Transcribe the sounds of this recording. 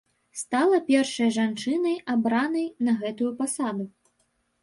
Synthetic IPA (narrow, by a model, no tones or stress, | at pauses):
st̪alˠɐpʲɛrʂɐjɐʐant͡ʂɨnɐjabɾanɐjnɐɣɛt̪ujupasad̪u